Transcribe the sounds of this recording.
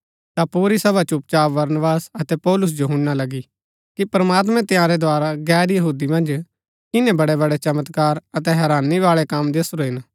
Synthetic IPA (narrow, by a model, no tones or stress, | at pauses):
t̪apuːɾisɐbat͡ʃʊp̚t͡ʃaːʋɐɾnʋaːsɐt̪ɛpɔːlʊs̬d͡ʒoɦʊ̃nːalɐɡi | kipɾɐmaːt̪̬mɛ̃t̪ɪjãɾɛd̪oaːɾaɡɛːɾjɐɦuːd̪imɐ̃nd͡ʒ | kɪnẽbɐɽɛbɐɽɛt͡ʃɐmət̪kaːɾɐt̪ɛɦɛːɾaːniʋaːɭɛkɐmd̪esʊɾoɦɪn